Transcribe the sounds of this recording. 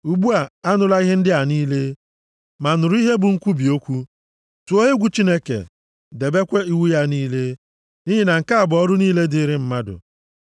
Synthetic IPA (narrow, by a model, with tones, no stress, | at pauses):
u˨ɡ͡bu˦a˨a˦nʊ˦la˦i˦ɦɪ˦n̩˦dɪ˦a˨niː˦le˦ | ma˨nʊ˨ɾʊ˦i˦ɦe˦bʊ˨ŋ̩˦kʷu˦bi˨o˦kʷu˦ | tu˨o˦ɦe˦ɡʷu˨t͡ʃi˦ne˦kḛ˨ | de˨be˦kʷe˦i˦wu˦ja˦niː˦le˦ | ni˦ɦi˦na˨ŋ̩˨ka˦a˨bʊ˨ɔ˦ɾʊ˦niː˦le˦di˦ɾɪ˦m̩˦ma˦dʊ̰˨